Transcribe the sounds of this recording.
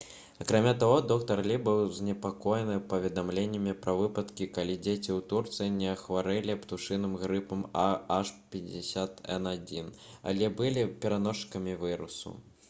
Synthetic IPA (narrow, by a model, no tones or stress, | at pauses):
ɐkɾamʲat̪aɣɔd̪ɔkt̪ɐrlʲibɨwzʲnʲɛpakɔjɛnɨpɐvʲɛd̪amlʲenʲːɐmʲipɾɐvɨpɐt̪kʲikalʲid͡zʲet͡sʲiwt̪urt̪sɨjinʲɛɐxvaɾɛlʲipt̪uʂɨnɨmɣɾɨpɐmaaʂpʲɛd͡zʲɛsʲat̪ɛ̰nad͡zʲina̰lʲɛbɨlʲipʲɛɾanɔʂkɐmʲivɨɾṵsṵ